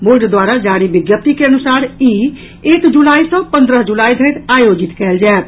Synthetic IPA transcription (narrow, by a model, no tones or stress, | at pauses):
boɾɖd̪waɾad͡ʒaɽibɪɡjəp̚t̪ikeənusaːɾi | eːkd͡ʒulaːisə̃pə̃nd̪ɾəɦd͡ʒulaːid̪ʱət̪ajod͡ʒɪt̪kɛːld͡ʒaɛt̪